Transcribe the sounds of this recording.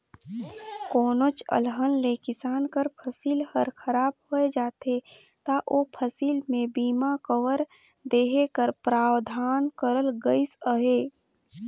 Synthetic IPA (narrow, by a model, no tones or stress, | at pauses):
koːnot͡ʃə̰lɦənlekɪsaːnkəɾpʰəsiːlhəɾkʰəɾaːbɦoed͡ʒaːt̪e | t̪aʔopʰəsiːlmẽbiːmakəwəɾ | d̪eːɦekəɾpɾaːwd̪ʱaːnkəɾəlɡəisəɦeː